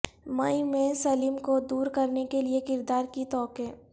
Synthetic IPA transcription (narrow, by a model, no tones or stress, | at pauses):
mɐimẽsɐlimkod̪uːɾkɐɾnekeliekɪɾd̪aːɾkit̪ɔːkɛ̃ː